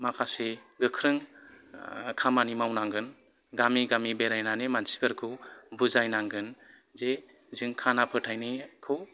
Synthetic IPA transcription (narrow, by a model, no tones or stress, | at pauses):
makʰaseɡɯkʰɾɯŋ | kʰamanimawnaŋɡɯn | ɡamiɡamibeɾajnanemansi̥bɯɾkʰɯbuzajnaŋɡɯn | ze | zɯŋkʰanapʰɯtʰajnɯjkʰɯw